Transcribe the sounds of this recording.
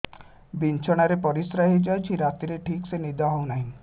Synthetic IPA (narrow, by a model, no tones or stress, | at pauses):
bint͡ʃʰɔɽ̃aɾepɔɾisɾaɦid͡ʒajt͡ʃʰiɾat̪iɾeʈʰiksenid̪ʱɔɦownaɦĩ